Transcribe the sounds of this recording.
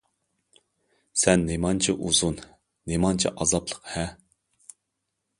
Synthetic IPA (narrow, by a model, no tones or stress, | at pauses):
sɛnːemɑnt͡ʃʰiʔuzunː | emɑnt͡ʃʰiʔɑzɑplˠə̥qhɛ